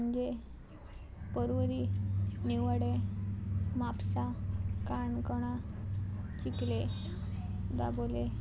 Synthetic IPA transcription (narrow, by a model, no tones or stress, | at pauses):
əɲd͡ʑe | pəɾʋəɾiniʋəɽe | mapsakaɳkɔɽ̃a | t͡ɕikle | d̪a̰bole